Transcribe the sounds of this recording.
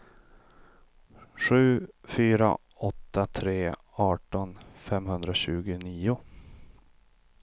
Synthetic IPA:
ʂʉ̟ːfyːɾa̰ | ɔt̪ːat̪ʰɾeː | ɑːʈɔnfɛmɦɵnd̪ɾaɕʉ̟ːɡʊniːʊ

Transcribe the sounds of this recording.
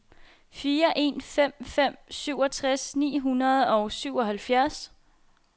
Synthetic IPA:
fiːɐʔe̝̰nfem̰fem̰syʊ̰ɒ̽t͡sʰʁasnḭːɦunɐð̞ˠɒ̽ʊsyʊɒ̽ɦælfjæɐs

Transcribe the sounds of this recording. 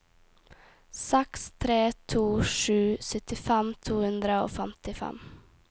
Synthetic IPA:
sɛkst̪ʰɾeːt̪ʰuːʂʉːsœt̪ɪfɛmt̪ʰuːhɵnd̪ɾəo̰ːfɛmt̪ɪfɛ̰m

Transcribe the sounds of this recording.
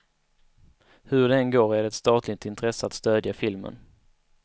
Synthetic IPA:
hɵɖɛɛnɡoːɾæɖɛɛt̪st̪ɑːt̪ʰlɪt̪ɪnt̪ʰɾɛsːəat̪st̪øːd̪jafɪlmə̰n

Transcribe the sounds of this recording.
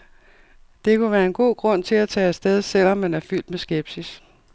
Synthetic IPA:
d̥e̝kʰuʋæːɐe̝nɡ̥o̝̰ːɡ̥ʁɔ̽n̰t͡sʰe̝læt͡sʰɛ̰ːsd̥eð̞ˠsel̰ɒ̽mːænæɐfyl̰d̥mesɡ̥eb̥sis

